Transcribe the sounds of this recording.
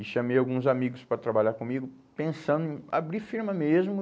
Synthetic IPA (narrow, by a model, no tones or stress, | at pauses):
ɪʃɐ̃mejawɡũzamiɡʊspɾɐt̪ɾabaʎaɾkõmiɡʊ | pẽsɐ̃nd̪ʊẽj̃abɾifiɾmɐmezmʊ